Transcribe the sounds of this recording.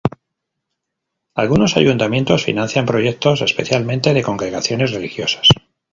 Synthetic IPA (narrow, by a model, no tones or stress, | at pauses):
alɣuno̞sa̰junt̪amje̞nt̪o̞sfḭnãnθjampɾo̞je̞k̚t̪o̞s̬e̞spe̞̰θjalmẽ̞nt̪e̞ðe̞ko̞ŋɡɾe̞ɣaθjo̞ne̞zre̞lixjo̞sḁs